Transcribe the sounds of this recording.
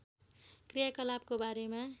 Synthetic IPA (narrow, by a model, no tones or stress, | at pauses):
krijakʌlab̚kobaɾema